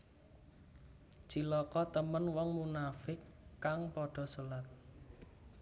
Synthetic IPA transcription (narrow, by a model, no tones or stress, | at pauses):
d͡ʒ̥ilɔkɔt̪əmənwɔŋmunafɪkːaŋpɔɖ̥ɔ̤sulat̪̚